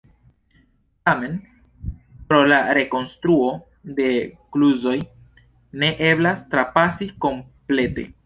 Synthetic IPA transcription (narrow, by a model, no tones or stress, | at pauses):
tame̞n | pɾo̞laɾe̞ko̞nst̪ɾuo̞ | de̞kluzo̞j | ne̞ʔe̞blastɾapasiko̞mple̞te̞̰